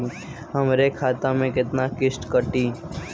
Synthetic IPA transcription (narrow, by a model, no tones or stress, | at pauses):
ɦəmɾekʰaːt̪ãmẽkɪt̪nakɪsʈkəʈiː